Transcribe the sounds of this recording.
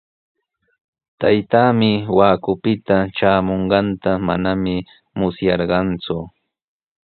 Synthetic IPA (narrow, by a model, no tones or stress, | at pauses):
t̪ajt̪aːmɪwaːkʊpɪt̪aʈ͡ʂaːmoɴɢɑnt̪ama̰namɪ | mʊsjɑɾɢɑnt͡sʊ